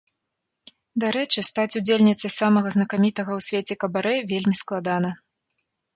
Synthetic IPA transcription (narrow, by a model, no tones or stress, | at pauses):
d̪aɾɛt͡ʂɨst̪at͡sʲud͡zʲelʲnʲit̪sɐjsamɐɣɐznɐkamʲit̪ɐɣɐwsʲvʲet͡sʲɛkɐbaɾɛvʲelʲmʲisklˠad̪an̪ɐ